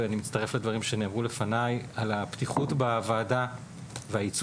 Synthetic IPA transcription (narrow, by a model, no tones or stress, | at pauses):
animit̪t͡st̪aʁe̞fled̪vaʁimʃe̞neːmʁule̞fanajalaptiχutbevaːda | veajit͡s